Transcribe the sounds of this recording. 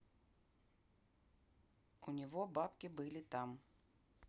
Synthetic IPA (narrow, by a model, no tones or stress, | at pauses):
unʲivɔbapkʲibɨlʲit̪am